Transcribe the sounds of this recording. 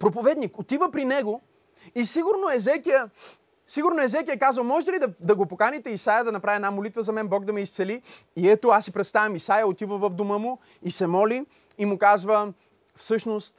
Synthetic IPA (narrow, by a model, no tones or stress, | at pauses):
pɾopovɛd̪nikot̪ivəpɾinɛɡo | isiɡʊɾnoɛzɛkijə | siɡʊɾnoɛzɛkijəkazvəɐmɔʒɛt̪ɛlid̪ɐd̪ɐɡopokanit̪ɛisajɐd̪ɐnɐpɾaviɛnamolit̪vəzɐmɛnbɔɡ̚d̪ɐmɛist̪sɛli | iɛt̪oasːipɾɛt̪st̪avʲɐmisajəot̪ivəvɐvd̪omɤmʊ | isɛmɔliː | mʊkazvə | fsɤʃnost̪